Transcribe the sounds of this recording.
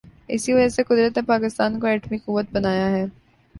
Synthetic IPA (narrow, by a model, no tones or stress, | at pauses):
ɪ̰siʋɐd͡ʒəseqʊd̪ɾət̪nepaːkɪst̪aːnkoɛːʈmikʊʋːət̪̚bɐnaːjaɦɛː